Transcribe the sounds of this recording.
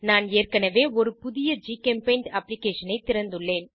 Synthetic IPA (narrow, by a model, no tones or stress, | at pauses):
naːneːrkɐnɐʋeːɔɾɯpʊðɪjɐd͡ʒiːkɛmpɐɪɳɖɐpːlɪkeːʂɐnɐɪt̪ɪɾɐnd̪ɯɭːeːn